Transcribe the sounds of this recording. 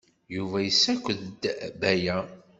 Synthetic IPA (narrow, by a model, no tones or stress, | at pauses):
juvæjəsːækʷːəðd̪bæjæ